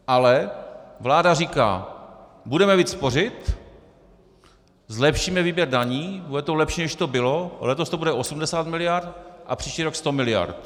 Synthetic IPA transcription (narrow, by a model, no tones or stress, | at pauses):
ʔalɛvlaːdariːka̰ː | budɛmɛviːt̪spo̞rɪt̪ | zlɛpʃiːmɛviːbjɛɾdaɲiːbudɛt̪olɛpʃiːnɛʃt̪o̞bɪlo̞lɛt̪o̞st̪obudɛʔo̞sumdɛsaːt̪mɪlɪjaɾt̪ʔa̰pr̥iːʃciːɾo̞kst̪o̞mɪlɪja̰ɾt̪